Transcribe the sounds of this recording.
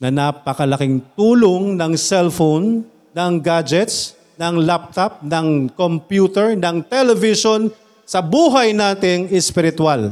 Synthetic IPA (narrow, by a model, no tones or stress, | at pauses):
nɐnapɐkɐlɐkɪŋt̪uːloŋnɐŋsɛlfonː | ɐŋɡad͡ʒɛt̪s | nɐŋlap̚t̪ɐp̚nɐŋkompjuːt̪ɛɹnɐŋt̪ɛlɛvɪʃon | sɐbuːɦɐjnaːt̪ɪŋɛspɪɾɪt̪wal